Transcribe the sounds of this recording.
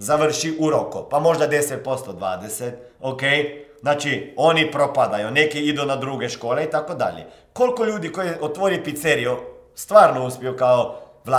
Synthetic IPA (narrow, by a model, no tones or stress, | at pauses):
zaʋər̩ʃiʔuɾokopamo̞ʒd̪ad̪eset̪̚po̞st̪od̪ʋa̰ːd̪eset̪ | okejznaːt͡ʃio̞nipɾopad̪ajunekiid̪unad̪ɾuɡeʃko̞ːleit̪akod̪a̰ʎḛ | ko̞lkoʎuːd̪ikojeʔot̪ʋoɾipit̪seɾijo | st̪ʋaːɾnouspiokaoʋla